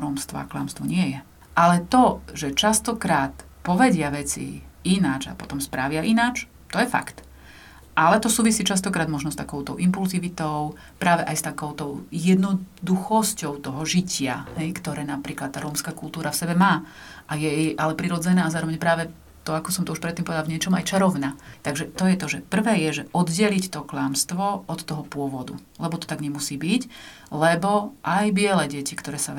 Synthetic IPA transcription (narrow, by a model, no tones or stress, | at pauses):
ɾɔːmst̪ʋɔ̰a̰kla̰ːmst̪ʋɔɲɪɛjɛ | ʔalɛt̪ɔʒɛt͡ʃast̪ɔkɾaːt̪ | pɔʋɛɟɪaʋɛt͡sḭinad͡ʒa̰pɔt̪ɔmspɾaʋɪaʔinaːt͡ʃ | t̪ɔjɛfa̰kt̪ | ʔalɛt̪ɔsuːʋisiːt͡ʃas̬t̪ɔkɾaːd̪mɔʒnɔst̪akɔʊt̪ɔʊʔimpulziʋit̪ɔʊ | pɾaːʋɛʔajst̪akɔʊt̪ɔʊjɛd̪nɔd̪uxɔscɔʊt̪ɔɦɔʒicɪa̰hɛjkt̪ɔɾɛːnapɾiːklat̪̚t̪ːaːɾɔːmskakulˠt̪uːɾafsɛbɛmaːʔajɛʔalɛpɾiɾɔd͡zɛnaːazaːɾɔʋɛɲpɾaːʋɛ | t̪ɔakɔsɔmt̪ɔuʃpɾɛt̪ːiːmpɔʋɛd̪alʋvɲɪɛt͡ʃɔma̰jt͡ʃaɾɔʊnat̪aɡʒɛt̪ɔjɛt̪ɔʒɛpr̩ʋɛːjɛʒɛʔɔd̪ɟɛlict̪ɔklaːmst̪ʋɔʔɔt̪ːɔɦɔpʊɔʋɔd̪ṵ | lɛbɔt̪ɔ̥t̪aɡɲɛmusiːbic | lɛbɔʔajbɪɛlɛɟɛcikt̪ɔɾɛːsa